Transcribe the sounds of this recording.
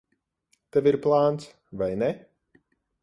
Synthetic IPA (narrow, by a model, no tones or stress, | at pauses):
t̪ɛviɾplˠaːnt̪s | vajnɛ